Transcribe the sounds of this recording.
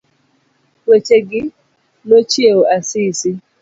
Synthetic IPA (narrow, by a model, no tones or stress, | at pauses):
wet͡ʃeɡɪ | not͡ʃieoasisi